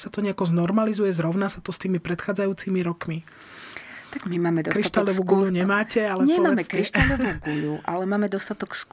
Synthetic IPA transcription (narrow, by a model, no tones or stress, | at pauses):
sat̪ɔɲɛakɔznɔɾmalizujɛzɾɔʊnasat̪ɔst̪iːmipɾɛt̪xaːd͡zajuːt͡simiɾɔkmi | t̪aɡmimaːmɛd̪ɔkɾiʃt̪aalɔuɡuʎuɲɛmaːcɛalɛɲɛmaːmɛkɾiʃt̪alɔʋuːɡuʎuʔalɛmaːmɛd̪ɔst̪at̪ɔksk